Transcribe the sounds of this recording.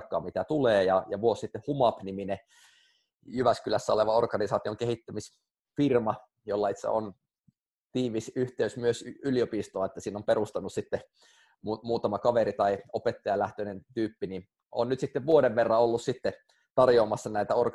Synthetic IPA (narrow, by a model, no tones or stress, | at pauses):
kːɑ̰ːmit̪æt̪uleːjɑjɑʋuossit̪ːehumɑpnimine | jyʋæskylæsːæoleʋɑorkɑnisɑːt̪ioŋkehit̪ːæmis | firmɑ | jolːɑit̪sæ̰on | t̪iːʋisyht̪eysmyøsyliopist̪oɑet̪ːæsiːnːompeɾust̪ɑnːussit̪ːe | umuːt̪ɑmɑkɑʋeɾit̪ɑiopet̪ːɑjɑlæht̪øinent̪yːpːinin | o̰nnyt̪sit̪ːeʋʋuodeʋʋerːɑolːussit̪ːe | t̪ɑrjoːmɑsːɑnæit̪æork